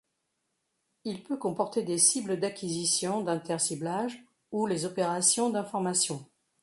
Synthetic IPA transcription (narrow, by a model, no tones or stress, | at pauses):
ilpøkɔ̃pɔʁt̪ed̪esibləd̪akʲizisjɔ̃d̪ɛ̃t̪ɛʁsiblaʒ | ulezɔpeʁasjɔ̃d̪ɛ̃fɔʁmasjɔ̃